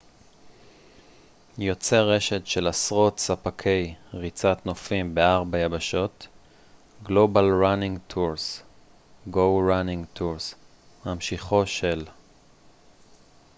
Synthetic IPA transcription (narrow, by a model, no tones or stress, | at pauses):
jo̞t͡se̞ʁe̞ʃe̞tʃe̞lasʁo̞tsapakʰe̞jʁit͡sat̪nofimbe̞aʁbajabaʃo̞t | ɡlo̞balʁaniŋɡtʰuʁs | ɡo̞wʁaniŋtʰuʁs | mamʃiχo̞ʃe̞l